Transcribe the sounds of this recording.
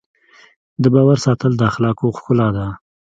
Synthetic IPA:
d̪əbɑwaɾsɑt̪əld̪əaxlɑkoxkʊlɑd̪a

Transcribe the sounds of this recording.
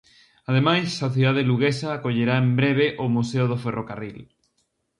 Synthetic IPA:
aðemajsːoθiðaðeluɣesaːkoʎeɾaembɾeβ̞eʔomuseoð̞oferokaril

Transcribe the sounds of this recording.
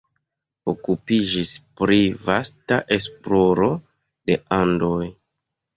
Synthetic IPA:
okupid͡ʒispɾivastaʔe̞splo̞ɾo̞ | de̞andoj

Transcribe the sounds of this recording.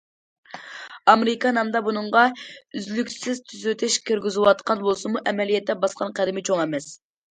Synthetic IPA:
ɑmeɾɪkɑnɛmd̪ɑbunɨɴʁɑyzlykʲsɪz̥t̪ʰyzyt̪ʰɪʃkʲʰeɾɡʲyzɪwɑt̪qʰɑnbolˠsɨmuʔɛmɛlijɛt̪ːɛbɑsqɑnqʰæd̪ɪmɪt͡ʃʰoŋɛmɛs

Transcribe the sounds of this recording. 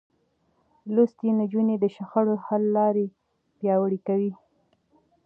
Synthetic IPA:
lust̪enad͡ʒuned̪əʃaxaɽohalːɑɾe | pjɑwəɽikawi

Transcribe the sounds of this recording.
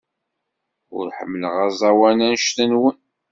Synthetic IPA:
ʊ̰ɾħə̰mːləʁæzˤɑwænænʃt̪ənwən

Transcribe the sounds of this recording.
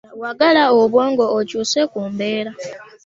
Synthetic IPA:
waɡalaoβwoːŋɡoːcuːsekuːmbeːɾa

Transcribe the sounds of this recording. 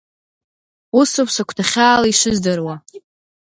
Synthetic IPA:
usopʰsakʷʰtʰaχʲaːlaiʂɨzdɨrwa

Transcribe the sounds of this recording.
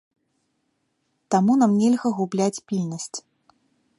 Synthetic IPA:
t̪amunamnʲeɛlʲɣɐɣublʲat͡sʲpʲilʲnɐsʲt͡sʲ

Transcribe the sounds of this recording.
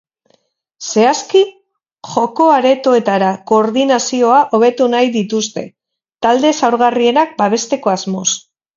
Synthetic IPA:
se̞aski | ʝo̞ko̞aɾe̞t̪oe̞t̪aɾako̞ːɾðinasio̞aʔo̞βe̞t̪unajðit̪ust̪e̞̰ | t̪ald̪e̞sawɾɣarie̞nak̚baβe̞st̪e̞ko̞azmo̞s

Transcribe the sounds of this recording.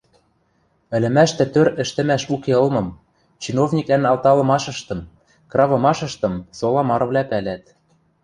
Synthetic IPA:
ɘ̆lɘ̆mæʃt̪ɘ̆t̪øɾɘ̆ʃt̪ɘ̆mæʃukeɤ̆lmɤ̆m | t͡ɕinovnʲikænɑlˠt̪ɑlɤ̆mɑʃɤ̆ʃt̪ɤ̆m | krɑβɤ̆mɑʃɤ̆ʃt̪ɤ̆msolˠɑmɑɾɤ̆vlʲæpælæt̪̚

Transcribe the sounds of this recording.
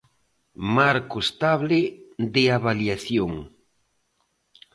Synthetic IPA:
maɾkoest̪aβleðeaβaljaθjoŋ

